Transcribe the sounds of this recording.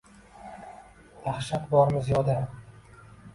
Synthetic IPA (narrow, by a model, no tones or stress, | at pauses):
d̪aχʃat̪bɒɾmɪzjɒd̪a